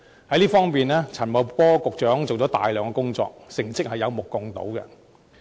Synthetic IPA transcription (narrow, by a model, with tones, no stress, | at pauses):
hɐ˨˥jliː˥fɔː˥ŋmiː˨nɛː˥t͡sʰɐ˨˩nmɐ˨˧wkɔː˥kʊ˨k̚t͡ʃœː˨˥ŋt͡so˨wt͡ʃɔː˨˥t̪a̰ː˨jlœː˨˧ŋkɔː˧kʊ˥ŋt͡sɔ̰ː˧k̚sɪ˨˩ŋt͡sɪ˥k̚hɐ˨jɐ˨˧wmʊ˨kːʊ˨ŋt̪o̰˨˥wkɛ̰˧